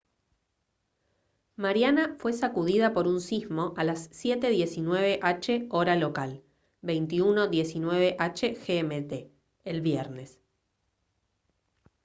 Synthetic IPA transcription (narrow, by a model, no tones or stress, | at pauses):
maɾjanafwe̞sakuð̞ið̞apo̞ɾunsizmo̞ʔalasːje̞t̪e̞ðje̞sinwe̞βe̞ʔat͡ʃeo̞ɾalo̞kal | bejnt̪iuno̞ðje̞sinwe̞β̞e̞ʔat͡ʃe̞xeemet̪eː | lβjeɾne̞s